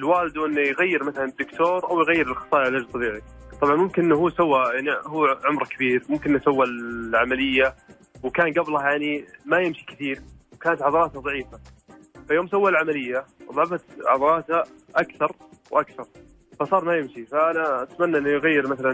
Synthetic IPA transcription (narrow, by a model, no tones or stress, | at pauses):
ɪlwaːlɪd̪uʔɪnːujɣajːɪɾmaθalanɪd̪ːʊkt̪oːɾˤʔawjɣajːɪɾɪlxɑ̥sˤɑːjaʕalʔad͡ʒlt̪ˤɑbiːʕit̪ˤɑbʕɑnmʊmkɪnʔɪnːɦuːsawːajaʕnihuːʕʊmɾkabiːɾmʊmkɪnːasawːaʕamalɪjːa | wkaːnɡablajaʕnimajɪmʃi̥kɪθiːɾwkaːnat̪ʕɑðˤɑɾˤɑːt̪haðˤɑʕiːfa | fajoːmsawːalʕamalɪjːaʔɑðˤʕɑfat̪ʕɑðˤɑɾˤɑːt̪ha | ʔakθɑɾˤwʔakθɑɾˤ | fasˤɑːɾˤmajɪmʃifaʔanaat̪manːaʔɪnːʊjɣajːɪɾmaθala